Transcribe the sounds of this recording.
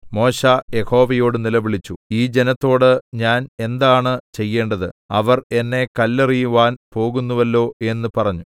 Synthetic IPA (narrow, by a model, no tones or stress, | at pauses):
mo̞ːɕaje̞ho̞ːʋɐjo̞ːɽɨnilɐʋiɭit͡ɕːuiːd͡ʑe̞nɐt̪ːo̞ːɽɨɲaːne̞nd̪aːɳɨt͡ɕe̞jːe̞ːɳɖɐðɨɐʋɐre̞nːe̞kɐlːɐrijuʋaːnpo̞ːɣunːuʋɐlːo̞ːʔe̞nːɨpɐrɐɲːu